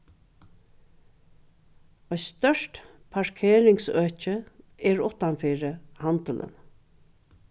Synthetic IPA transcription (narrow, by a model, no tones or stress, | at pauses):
ɔjst̪œʂt | pʰaɹkʰeːɾɪŋsøːt͡ʃə | ɛɹʊht̪anfiːɹəhant̪əlʔə̰n